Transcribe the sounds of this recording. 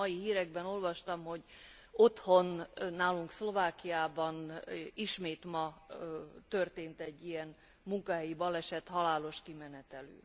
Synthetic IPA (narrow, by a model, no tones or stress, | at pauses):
ɒjihiːɾɛɡbɛno̞lvɒʃt̪ɒmho̞ɟ | o̞t̪ho̞nːaːluŋkslo̞vaːkijaːbɒniʃmeːt̪mɒ | t̪ørt̪eːnt̪ɛɟːijɛn | muŋkɒɦɛjibɒlɛʃɛt̪hɒlaːlo̞ʃkimɛnɛt̪ɛlø̰ː